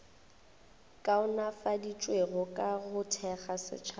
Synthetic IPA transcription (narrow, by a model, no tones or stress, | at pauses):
kʼaʊnafadit͡ʃʼweɣʊkʼaɣʊtʰɛχasɪ̰t͡ʃʰa